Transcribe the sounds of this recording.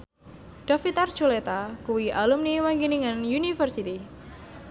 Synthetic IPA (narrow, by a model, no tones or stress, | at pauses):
ɖ̥afit̪ard̥ʒ̥ulet̪akuwiʔalumniwaŋɡiniŋanjunifərsit̪i